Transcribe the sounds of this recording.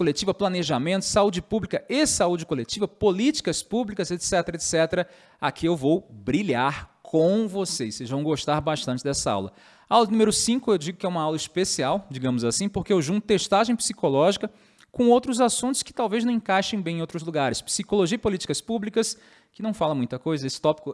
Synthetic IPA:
kolet͡ʃivɐplɐneʒamẽnt̪ʊ̥saud͡ʒɪpublikɐesaud͡ʒɪkolet͡ʃivɐpolit͡ʃi̥kɐspublikɐzet̪sɛt̪eɾet̪sɛt̪eɾɐ | a̰kʰiewvowbɾiʎaɾkʰõvosesejzvɐ̃w̃ɡoʃt̪aɾbaʃt̪ɐ̃nt͡ʃɪd̪ɛsɐa̰wlɐ̰ | awlɐnumeɾʊsĩkʊewd͡ʒiɡʊkɪɛũmɐawlɐispesiawd͡ʒiɡɐ̃mʊzasĩpoɾkeewʒũt̪ʊt̪eʃt̪aʒẽj̃psikolɔʒikɐ | kõowt̪ɾʊzasũnt̪ʊ̥skɪ̥t̪awveznɐ̃w̃ẽkajʃẽj̃bẽj̃owt̪ɾʊzluɡaɾɪspsikoloʒiɐipolit͡ʃi̥kɐspublikɐs | kɪnɐ̃w̃falɐmũj̃t̪ɐkojzɐesɪ̥t̪ɔpi̥kʊ

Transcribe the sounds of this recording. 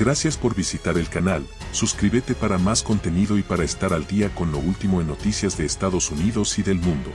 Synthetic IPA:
ɡɾasjaspo̞ɾβisit̪aɾe̞lkanal | suskɾiβet̪e̞paɾamasko̞nt̪e̞niðo̞ipaɾaest̪aɾald̪iako̞nlo̞ult̪imo̞enːo̞t̪isjazðe̞ːst̪aðo̞suniðo̞siðe̞lmũnd̪o̞

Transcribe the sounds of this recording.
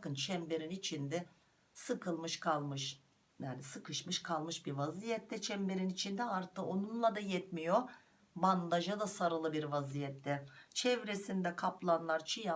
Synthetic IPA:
bakɯnt͡ʃʰɛmbe̞ɾinit͡ʃʰind̪ɛ | sɯkʰɯlˠmɯʃkʰalˠmɯʃ | jaːnisɯkɯʃmɯʃkʰalˠmɯʃbiɾvazijɛt̪ʰːɛt͡ʃʰɛmbe̞ɾinit͡ʃʰind̪ɛaɾt̪ʰɯonunlˠad̪ajɛt̪mijo | band̪aʒad̪asaɾɯlˠɯbiɾvazijɛt̪ʰːɛt͡ʃʰɛvɾesind̪ɛkʰaplˠanlˠaɾt͡ʃʰija

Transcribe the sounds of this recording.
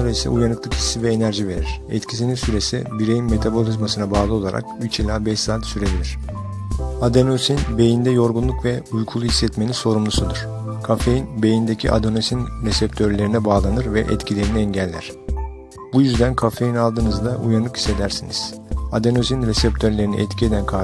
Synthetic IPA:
aɾaisɛ̰ujanɯklˠɯkhi̥sivɛenæɾʒive̞ɾiɾ̥ɛ̰t̪cʰis̬ininsyɾe̞sḭbiɾe̞jinme̞t̪ʰabo̞lʲizmasɯnabaːlˠɯo̞lˠa̰ɾʔa̰kyt͡ʃilʲaːbɛʃsaːt̪syɾedʲilʲiɾ̥ | ad̪enosinbe̞jind̪ɛjo̞ɾɡunlˠukvɛujkʰulˠuhisːɛt̪me̞ninso̞ɾumlˠusud̪ɯɾ̥ | kʰafe̞jinbe̞jind̪ecʰḭʔa̰d̪onosinɾesɛp̚t̪ʰøɾlʲe̞ɾinɛbaːlˠanɯɾvɛ̰ʔɛ̰t̪cʰilʲe̞ɾiniɛɲɟælʲːæ̰ɾ̥ | b̥ujyzd̪ænkʰafe̞jinalˠd̪ɯːnɯzd̪aʔujanlˠɯkʰi̥se̞d̪æɾsinḭz̥ | ad̪enosinɾesɛpt̪ʰøɾlʲe̞ɾinḭʔɛt̪cʰie̞d̪ænkʰa

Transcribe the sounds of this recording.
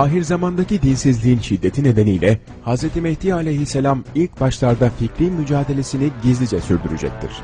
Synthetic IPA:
aːɦiɾzamand̪acid̪insizlʲiinʃid̪ːe̞t̪ʰine̞d̪e̞nijlʲɛ | hazɾet̪ʰimeht̪ijalʲejɦisːelʲamilʲc̚baʃlˠaɾd̪aficɾinmyd͡ʒaːd̪e̞lʲe̞siniɟizlʲid͡ʒɛsyɾd̪yɾyd͡ʒɛ̰c̚t̪ʰḭɾ̥

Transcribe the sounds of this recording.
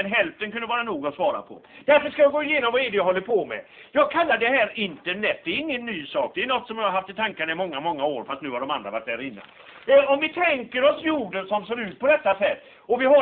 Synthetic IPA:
ɛnɦɛlft̪ənkʰɵnd̪əvɑːɾanuːɡɔsvɑːɾa̰pʰɔ̰d̪̥æɾfəʂkajɑɡoːɪjeːnɔmvaɛd̪ɛjaɦɔlːəɾpʰɔmɛ̰ | jɑːɡ̚kʰalːaɖdɛhæːɾɪnt̪əɳɛt̪̚ːd̪ɛɾɪŋːənːyːsɑːk̚d̪ɛɛnɔt̪ːsɔmjahaɾɦaft̪ɪlt̪ʰaŋkanaɪmɔŋːamɔŋːaoːɾfast̪nʉ̟ːhaɖɔmand̪ɾavaʈ̚d̪æːɾɪnːa̰n | ɛɔmvɪt̪ʰɛŋkəɾɔsjuːɖənsɔmseːɾʉ̟ːt̪̚pʰɔd̪ɛt̪ːasɛt̪ː | ɔvɪɦa

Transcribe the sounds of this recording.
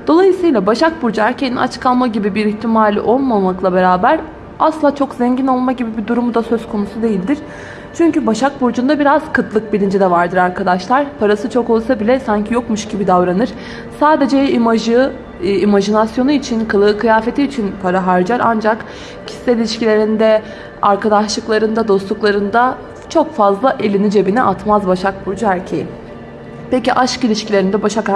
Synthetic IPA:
d̪̥o̞lˠajɯsɯjlˠabaʃak̚buɾd͡ʒæɾcʰeniʔa̰t͡ʃkʰalˠmaɟibibiɾiçt̪ʰimaːl̰ʲʔo̞lˠmamaklˠabe̞ɾaːbæɾ | aslˠaːt͡ʃʰo̞kzɛɲɟino̞lˠmaɟibibid̪uɾumud̪asøz̥kʰo̞nusud̪e̞jilʲd̪iɾ̥ | t͡ʃʰyɲcybaʃak̚buɾd͡ʒund̪abiɾaz̥kʰɯt̪lˠɯk̚bilʲind͡ʒɛd̪ɛvaɾd̪ɯɾaɾkʰad̪aʃlˠaɾ̥pʰaɾasɯt͡ʃʰo̞ko̞lˠsabilʲɛsaɲcʰijo̞kmuʃɟibid̪avɾanɯɾ̥ | saːd̪e̞d͡ʒɛimaʒɯ | imaʒinasjo̞nuit͡ʃʰinkʰɯlˠɯkʰɯjaːfe̞t̪ʰiːt͡ʃʰinpʰaɾaɦaɾd͡ʒaɾʔa̰nd͡ʒak | cʰi̥sːɛilʲiʃcilʲe̞ɾind̪ɛ | aɾkʰad̪aʃlˠɯklˠaɾɯnd̪ad̪o̞st̪lˠuklˠaɾɯnd̪a | t͡ʃʰo̞kfazlˠaʔe̞lʲinid͡ʒe̞biniʔat̪mazbaʃak̚buɾd͡ʒuæɾcʰeji | peciʔaʃkilʲiʃcʰilʲeɾind̪ɛbaʃak

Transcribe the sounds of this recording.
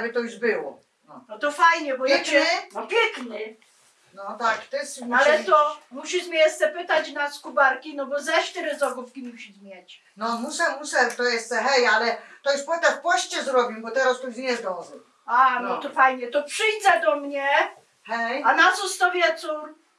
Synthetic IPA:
ɛbɘt̪ɔjuʂbɘwɔ̰ | nɔnɔt̪ɔfajɲɛbɔjɛt͡ɕɛnɔpʲjɛknɘ | nɔt̪akt̪ɪsmalɛt̪ɔmuɕiʂmʲɛjɛst̪ɛpɘt̪at͡ɕnaskubaɾkʲinɔbɔzaʂt̪ɛɾɛzɔɡufkʲimuɕizmʲjɛt͡ɕ | nɔmusɛmusɛɾt̪ɔjɛst̪ɛɦɛjalɛt̪ɔjuʂpɔɛ̃t̪afpɔɕt͡ɕɛzɾɔbʲimbɔt̪ɛɾast̪ɔjuʃɲɛzd̪ɔʐɛ | anɔt̪ɔfajɲɛt̪ɔpʂɘjd̪zɛd̪ɔmɲɛ | hɛjanat̪sɔst̪ɔvʲjɛt̪suɾ

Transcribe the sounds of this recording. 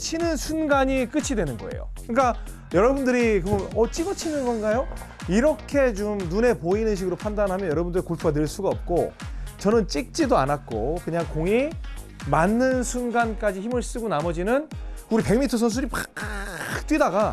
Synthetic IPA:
t͡ɕʰinɯnsʰunɡaɲik͈ɯt͡ɕʰidwe̞nɯnɡʌ̰e̞̰jo̰kɯɲik͈a | jʌɾʌbundɯɾikɯmɯnʌt͡ɕ͈iɡʌt͡ɕʰinɯnɡʌnɡajoiɾʌkʰe̞t͡ɕomnune̞poinɯnɕ̬ʰiɡɯɾopʰandanɦamjʌjʌɾʌbundɯɾikoɭpʰuɡanɯɭs͈uɡaʌp̚k͈ot͡ɕʌnɯnt͡ɕ͈ik̚t͡ɕ͈idoa̰nat̚k͈o̰kɯɲaŋkoŋi | manːɯnsʰunɡank͈ad͡ʑiçimɯɭs͈ɯɡonamʌd͡ʑinɯnuɾipe̞ŋmitʰʌs̬ʰʌns̬ʰuɾipa | k̚t͈wɥidaɡa

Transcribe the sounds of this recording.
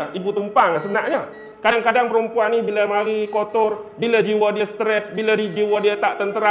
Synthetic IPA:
ibut̪umpaŋasənaʔɲa | kaŋkadaŋpəɾəmpuanːibilamaɾikot̪ɔrbilad͡ʒiwadiast̪ɾɛsbilaid͡ʒiwadiat̪aʔt̪ənt̪əɾa

